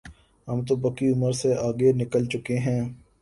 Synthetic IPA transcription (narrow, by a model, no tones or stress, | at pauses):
ɦɐmt̪̬obɐkiʊməɾseaːɡenɪkəlt͡ʃʊkeɦɛ̃ː